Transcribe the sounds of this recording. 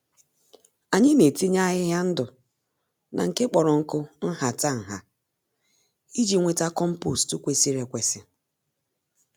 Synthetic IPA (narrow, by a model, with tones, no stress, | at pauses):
a˨ɲɪ˦me˨ti˦ɲa˦ɣɪ˦ɦa˦n̩˦dʊ˨ | nʔa̰˨ŋ̩˨ke˦k͡pɔ˨ɾɔ˨ŋ̩˦kʊ˦n̩˦ɦa˨ta˦˨ŋ̩˨ɦa˨ | i˦d͡ʒi˦ŋʷe˨ta˦kɔ˦m̩˦pu˦˨stu˦kʷe˦si˦ɾe˨kʷe˨sɪ˨